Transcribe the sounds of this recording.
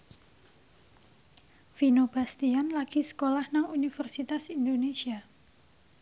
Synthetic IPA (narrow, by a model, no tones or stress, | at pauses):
finob̥ast̪ianlaɡ̥isə̥kolahnaŋunifərsit̪asindonesia